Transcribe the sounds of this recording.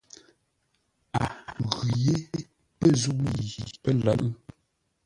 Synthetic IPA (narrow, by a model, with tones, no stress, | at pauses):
a̰˨ɣʉ˨je˦ | pə˦˨zu˦˨ʔi˨pə˦la̰˨ʔ